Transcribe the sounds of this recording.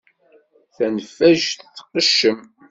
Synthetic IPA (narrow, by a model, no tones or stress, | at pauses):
θænəfːæʒθθːqəʃːəm